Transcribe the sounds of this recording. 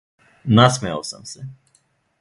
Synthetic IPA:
nasmɛja̰wsə̰msɛ

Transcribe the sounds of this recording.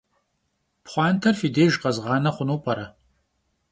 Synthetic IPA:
pχʷɑːntʰɐrfideːʒqɐzʁɑːnɐχʷʊnuːpʰʼɐɾɐ

